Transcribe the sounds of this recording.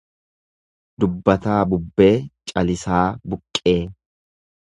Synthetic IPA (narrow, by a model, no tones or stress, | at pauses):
d̪̥ʊbːɐt̪aːbʊbːe̞ːt͡ʃʼɐlɪsaːbʊkʼːe̞ː